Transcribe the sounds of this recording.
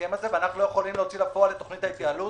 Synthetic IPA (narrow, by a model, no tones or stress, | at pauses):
emazeveanaχnlo̞je̞χo̞limleot͡silapo̞alet̪o̞χnit̪hait̪jaalu